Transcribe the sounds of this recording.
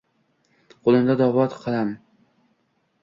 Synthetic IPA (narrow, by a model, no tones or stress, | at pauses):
qʰolˠɪmd̪ad̪ɒvɒt̪qʰɨlˠam